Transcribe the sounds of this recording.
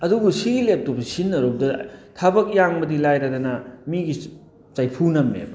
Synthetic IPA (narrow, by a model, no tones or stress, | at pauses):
ɐduɡusiɡilep̚tobɐsinːɐɾodɐtʰabɐk̚jaŋbɐdilajɾɐdɐnɐmiɡi | t͡ʃajpʰunɐmːḛmɐ